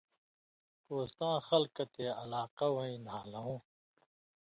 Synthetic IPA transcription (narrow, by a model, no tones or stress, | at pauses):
poːst̪ãːxɐlkɐt̪eːɐlaːqɐwɐĩnaːlɐɦũː